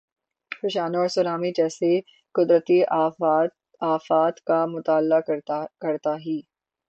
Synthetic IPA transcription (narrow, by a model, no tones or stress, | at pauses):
pɪɕaːnoːɽsʊɾaːmiːd͡ʒɛːse | kʊd̪ɾət̪iː | aːfaːt̪kamʊt̪aːlːakəɾt̪aɦiː